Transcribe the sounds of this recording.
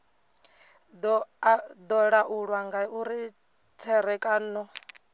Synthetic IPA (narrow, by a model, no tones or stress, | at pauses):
d̪ɔɺaʔuɺwaŋɡauɾi | tʰɛɾɛkʼaːnɔ